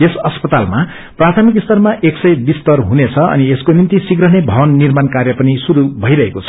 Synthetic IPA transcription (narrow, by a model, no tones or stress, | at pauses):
esʌspʌt̪alma | prat̪ʰʌmikist̪ʌrmaʔeksʌjbist̪ʌrɦunet͡sʰʌʌ̰nieskonint̪isiɡɾʌɦnebʱʌbʌnːirmankarjʌpʌnisuɾubʱʌijɾʌɦekot͡sʰʌ